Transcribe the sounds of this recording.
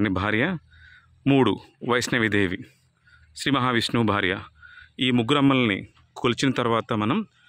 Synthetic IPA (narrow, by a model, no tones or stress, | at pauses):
nibʱaːɾjɐ | muːɽuʋɐjsnɐʋid̪ʱeːʋi | ʃɾiːmɐɦaːʋisnuːbʱaːɾjɐiːmuɡuɾɐmːɐlɐnḭ | kʰolit͡ʃinɐt̪ɐɾʋaːt̪ɐmɐnɐm